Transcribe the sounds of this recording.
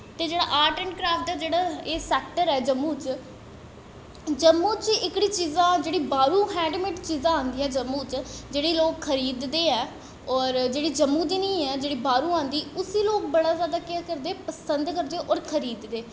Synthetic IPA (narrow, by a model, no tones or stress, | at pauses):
t̪eːd͡ʒeːɽa̰ːʔaːɾʈəɳʈkɾaːfʈ̚d̪aːd͡ʒeːɽaːeːsɛːk̚ʈəɾɛːd͡ʒəmːũːt͡ʃ | d͡ʒəmːuːt͡ʃɪkɽiːt͡ʃiːzãːd͡ʒeːɽiːbaːɾũːɦɛ̃ːɳɖmɪʈt͡ʃiːzãːãːnd̪iːɛ̃ːd͡ʒəmːuːt͡ʃd͡ʒeːɽeːloːkkʰːəɾiːd̪d̪eːɛː | ɔːɾd͡ʒeːɽiːd͡ʒəmːũːd͡ʒɪniːɛːd͡ʒeːɽiːbaːɾuːãːnd̪iːʊsiːloːk̚bəɽ̃aːzaːd̪aːkɪakəɾd̪eːpəsənd̪kəɾd̪eːʔɔːɾkʰəɾiːd̪d̪eː